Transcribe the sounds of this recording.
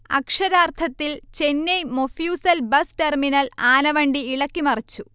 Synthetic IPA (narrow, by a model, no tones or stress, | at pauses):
ɐ̰kʂɐɾaːrt̪ʰɐt̪ːilt͡ɕenːejmofjuːsɐlbɐsʈerminɐlaːnɐʋɐɳɖiːɭɐkːimɐrɐt͡ɕːu